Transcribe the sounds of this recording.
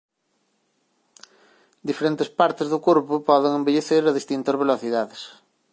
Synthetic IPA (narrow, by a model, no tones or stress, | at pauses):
d̪ifeɾent̪espaɾt̪ezðʊkoɾpʊpɔðɪŋẽmbeʎeθeɾɐðist̪int̪ɐzβeloθiðaðɪs